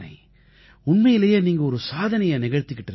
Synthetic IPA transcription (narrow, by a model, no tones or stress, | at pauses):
nɐ̰ɪ | ʊɳmɐjɪlɐjeːniːŋɡɐɔɾɯsaːðɐnɐjɐnɪɣɐɻt̪ːɯkːɪʈːɪɾ